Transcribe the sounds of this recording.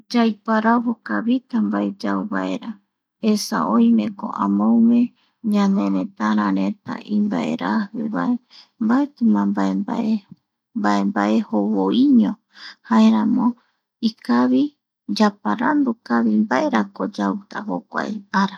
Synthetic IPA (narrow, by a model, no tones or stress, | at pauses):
d͡ʒajpaɾaβokaβit̪ambaed͡ʒauβa̰e̞̰ɾa | esa̰ʔõj̃mẽko̰ʔamõumẽ | ɲãnẽɾẽt̪aɾ̃ãɾẽ̞t̪a̰ʔimbaʔe̞̰ɾahɨ̰βae | mbaet̪ɨmãmbaemba̰ʔe | mbaembaʔe̞hoβoiɲõ | haeɾãmõ | ikaβi | d͡ʒapaɾand̪ukaβimbaʔeɾakod͡ʒawt̪aho̰kʷa̰eaɾa